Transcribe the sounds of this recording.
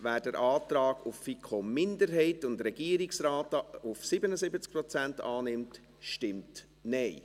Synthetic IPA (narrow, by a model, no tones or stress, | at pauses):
væːdəɾʔɑːtɾɑːɡufːikʰomɪndəɾɦɛɪtʊndɾɛɡ̥iəɾɪksɾaːtufsɪbənəzɪbət͡sk̚pɾɔt͡sæntɑːnɪmt | ʃtɪmt | nɛɪ